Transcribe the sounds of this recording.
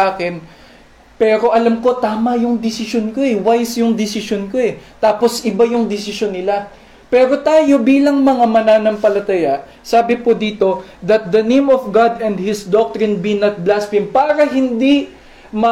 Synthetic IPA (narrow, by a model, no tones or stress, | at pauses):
aːkɛn | pɛːɾo̞ʔɐlɐmko̞t̪aːmɐjʊŋd̪ɪsɪʃonko̞ʔɛwajsjʊŋd̪ɪsɪʃonko̞ɛt̪aːpo̞sʔɪbajʊŋd̪ɪsɪʃjonːɪla | pɛːɾo̞t̪aːjo̞biːlɐŋmɐŋamɐnaːnɐmpɐlɐt̪ɐjaʔ | saːbɪpod̪iːt̪o̞d̪ɐt̪̚d̪ɐnẽjmofɡad̪ɛ̃nd̪̚hɪsd̪ok̚t̪ɹɪnbinɐt̪̚blast̪ɪmpaːɾɐɦɪnd̪i | mɐ